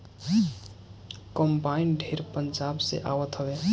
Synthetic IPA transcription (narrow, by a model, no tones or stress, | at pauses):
kəmbainɖʱeɾpənd͡ʒabsḛʔaʋət̪ɦəbe